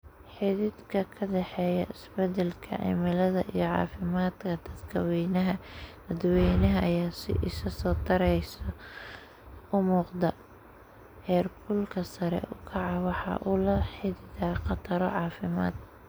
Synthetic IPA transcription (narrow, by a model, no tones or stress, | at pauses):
ħɪðɪd̪kʰɐkʰɐɖɛħɛːjɐʔɪsbɛd̪ɛlkʰɐ̰ʕɪ̰mɪlɐðɐʔijɞʕɑ̰ːfɪmaːd̪kʰɐd̪ɐd̪kʰɐwɛjnɐɦɐd̪̥ɐd̪wɛjnɐɦɐʔɐjaːsɪ̰ʔɪsɐsɔːt̪ʰɐɾɛjsɐ | ʊmuːqd̪ɐ | hɛːrkʰʊlkʰɐsɐɾɛ̰ʔʊkʰɑʕɑwɑħɑ̰ʔʊlɐħɪðɪðaːqɑt̪ʰɐɾɔ̰ʕɑːfɪma̰ːd̪